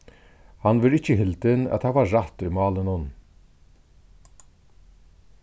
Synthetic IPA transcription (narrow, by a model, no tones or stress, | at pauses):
hɑnʋɪɾɪçəhɪlt̪ənɑ̰t̪hɑʋɑːɹɑt̪ʉmɑːlənɔn